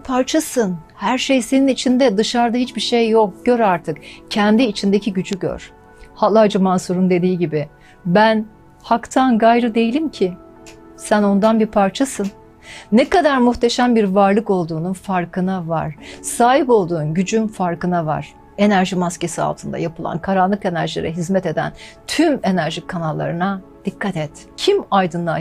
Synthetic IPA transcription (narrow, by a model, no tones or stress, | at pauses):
pʰaɾt͡ʃʰasɯnhæɾʃejse̞ninit͡ʃʰind̪ɛd̪ɯʃaɾd̪aɦit͡ʃbiʃejːo̞k̚ɟ̥ø̞ɾaɾt̪ʰɯkcʰɛnd̪iːt͡ʃʰind̪ecʰiɟyd͡ʒyɟø̰ɾ̥ | halˠad͡ʒamansuɾund̪e̞d̪iːɟibɪ | bæn | hakt̪ʰanɡajɾɯd̪e̞jilʲimcʰɪ | sæno̞nd̪anbipʰaɾt͡ʃʰasɯnː | ɛkad̪aɾmuht̪ʰe̞ʃæmbiɾvaɾlˠɯko̞lˠd̪uːnunfaɾkʰɯnava̰ɾ̥saːɦipo̞lˠd̪uːnɟyd͡ʒynfaɾkɯnava̰ɾ̥ | e̞næɾʒimasce̞sia̰lˠt̪ʰɯnd̪a̰japʰɯlˠa̰nkʰaɾanlˠɯke̞næɾʒilʲḛɾɛɦizmɛt̪e̞d̪æ̰nt̪ʰyme̞næɾʒikʰanalˠːa̰ɾɯnad̪̥ikʰːat̪ɛt̪ | cʰimajd̪ɯnd̪a